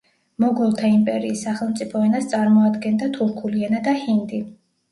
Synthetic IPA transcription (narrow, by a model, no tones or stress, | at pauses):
mɔɡɔlˠt̪ʰaimpʼɛɾiːsːaχɛlˠmt̪sʼipʰɔɛnast̪sʼaɾmɔad̪ɡɛnd̪at̪ʰuɾkʰulianad̪ahind̪i